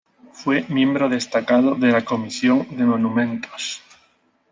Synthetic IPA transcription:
fwemjẽ̞mbɾoðest̪akað̞oðelakomisjoŋd̪emonũmẽ̞nt̪os

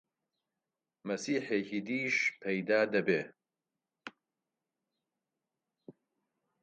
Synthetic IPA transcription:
mɐsiːħeːcid̪iːʃpʰɐjd̪aːd̪ɐbeː

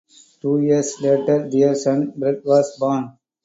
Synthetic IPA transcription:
ʈuːjiəɾsleːʈəɾd̪eəɾsə̃nbɾɛdʋɔːzbɔːn

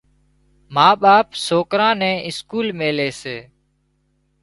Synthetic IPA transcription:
maːɓaːpsoːkɾãːnɛ̃ːʔɪskuːlmeːleːseː

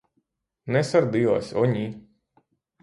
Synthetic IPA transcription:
nɛsaɾd̪ijɔːsʲɔɲʲi

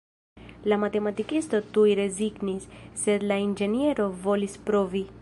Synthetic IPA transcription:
lamat̪e̞mat̪ikist̪o̞t̪ujɾe̞ziɡnisːe̞d̪laind͡ʒe̞nie̞ɾo̞vo̞lispɾo̞vi

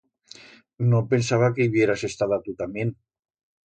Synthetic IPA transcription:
nopensaβakeiβijeɾasest̪aðat̪ut̪amjen

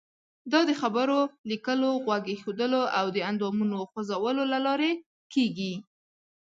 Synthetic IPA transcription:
d̪ɑd̪əxabəɾolikəloɣwaɡexod̪əloʔawd̪əand̪ɑmunoxozawəlolalɑɾe | keɡi

